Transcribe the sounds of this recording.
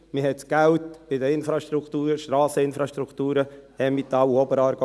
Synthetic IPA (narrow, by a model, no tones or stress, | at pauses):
mɪhɛt̪sɡ̥æwt̪bɪd̪əɪnfɾɑʃtɾukt̪uːɾəʃtɾɑːsəɪnfɾɑʃt̪ɾukt̪uːɾəɛmɪt̪ːɑwɔbəɾɑːɾɡ